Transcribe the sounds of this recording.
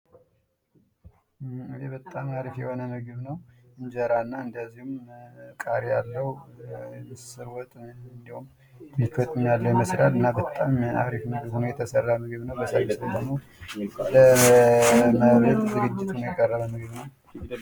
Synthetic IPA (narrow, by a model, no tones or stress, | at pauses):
ɨdebət̪ʼːamaɾifjɛho̞nəmɨɡɨβnəwɨɲd͡ʒəɾanːaɨnd̪əzːihumkʼaɾijalːəw | msɨɾwɔt̪ʼɨnd̪ihum | nːɨkət̪ʼɨɲalːəjɛməsɾalɨnːabət̪ʼːama̰ɾifmɨɡɨβunojɛt̪ʰəsərːamɨɡβnəwbəsaɡɨst̪ʰəd̪əmo | lə | məβət̪d̪ɨɡɨd͡ʒːɪt̪ʰunojɛkʼːərːəβəmɨɡɨβnəw